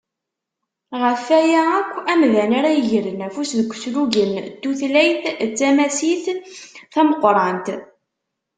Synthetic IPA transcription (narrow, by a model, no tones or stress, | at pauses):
ʁəfæjæækʷːæmðænaɾæʝəɾənæfusðəɡʷːə̥sluʝənt̪ːuθlæjθt͡sːæmæsiθθæməqːɾˤɑnt̪